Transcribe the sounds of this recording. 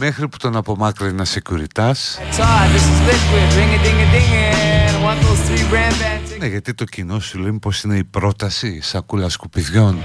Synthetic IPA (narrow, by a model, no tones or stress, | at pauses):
me̞xɾipu̥t̪o̞nɐpo̞mɐkɾɐinɐsecuɾit̪ɐstsaðɪsɪzlɪkɪbɹɪ̃ŋɨdɪ̃ŋɨdɪ̃ŋə̃nwʌ̃nðoʊz̥θɹiɹæ̃mbæ̃nzneʝɐt̪it̪o̞cino̞sulenpo̞sine̞ipɾo̞t̪ɐsisɐkulɐskupiðʝo̞n